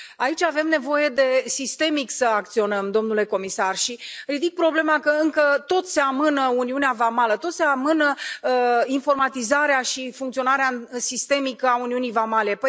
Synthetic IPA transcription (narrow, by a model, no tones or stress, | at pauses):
ait͡ʃʲave̞mne̞vo̞je̞d̪e̞sist̪e̞miksəak̚t̪sio̞nəmd̪o̞mnule̞ko̞misarʃirid̪ik̚pɾo̞ble̞makəɨŋkət̪o̞t̪se̞amɨnəuniuneavamalət̪o̞t̪se̞amɨnə | info̞rmat̪izaɾeaʃifuŋkt̪sio̞naɾeasist̪e̞mikəauniunijvamale̞pə